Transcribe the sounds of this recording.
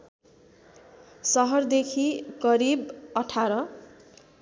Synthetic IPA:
sʌɦʌrd̪ekʰiɡʌɾibʌʈʰaɾʌ

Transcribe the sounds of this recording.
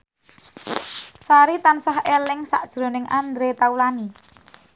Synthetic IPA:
saɾit̪ansaɦelɪŋsa̰ʔd̥ʒ̥ɾo̤nɪŋʔand̪ɾet̪aulani

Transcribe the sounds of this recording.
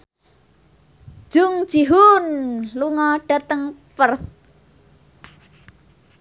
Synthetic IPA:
ʒ̥ʊŋ̥d͡ʒ̥iɦunluŋɔɖ̥a̤t̪əŋpərθ

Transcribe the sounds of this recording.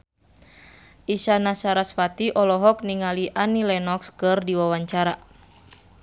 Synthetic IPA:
ʔisanasaɾasfat̪iʔɔlɔɦɔk̚niŋaliʔanilɛnɔkskɨrdiwawaɲt͡ʃaɾa

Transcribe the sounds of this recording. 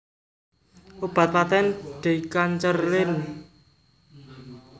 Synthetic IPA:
ʔob̥a̤t̪̚pat̪ɛnɖ̪̥e̤kaɲt͡ʃərɪn

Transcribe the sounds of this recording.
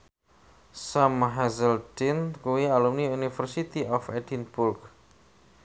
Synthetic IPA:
samɦɛzəld̥inkuwialumniunifərsit̪iʔɔfɛdinbʊrk

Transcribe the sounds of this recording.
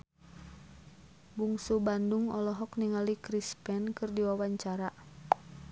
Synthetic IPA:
buŋsubanduŋɔ̰lɔɦɔkniŋalikɾispɛnkɨrdiwawaɲt͡ʃaɾa

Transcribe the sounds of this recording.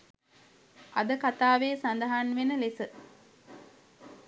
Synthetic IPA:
ad̪əkat̪aːʋeːsand̪əɦanʋenəlesə

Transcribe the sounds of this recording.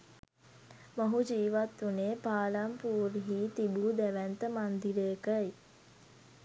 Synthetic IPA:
moɦud͡ʒiːʋat̪ːuneːpaːlampuːɾɦiːt̪ibuːd̪æʋænt̪əmand̪iɾeːkəj

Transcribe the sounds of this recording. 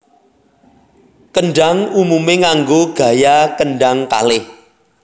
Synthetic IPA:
kəɳɖaŋumumeŋaŋɡoɡ̥a̤jakəɳɖaŋka̰lɪh

